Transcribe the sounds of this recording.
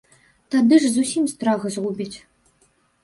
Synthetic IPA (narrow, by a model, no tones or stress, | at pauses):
t̪ad̪ɨʐzusʲimst̪ɾaɣɐzɣubʲit͡sʲ